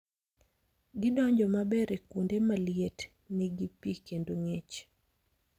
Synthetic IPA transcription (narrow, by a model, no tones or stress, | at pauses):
ɡɪdɔɲd͡ʒɔmabɛɾekundemaljet | niɡipikendoŋet͡ʃ